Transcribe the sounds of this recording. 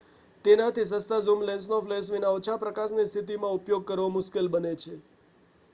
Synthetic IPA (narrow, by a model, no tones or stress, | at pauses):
t̪enat̪ʰisə̃st̪azumlens̬nofles̬ʋinaot͡ʃʰapɾəkasnist̪ʰit̪̬imãupjoɡ̚kəɾʋomʊskelbənet͡ʃʰe